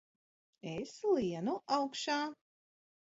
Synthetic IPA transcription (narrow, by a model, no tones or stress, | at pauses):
eslˠiɛnuʔawkʃaː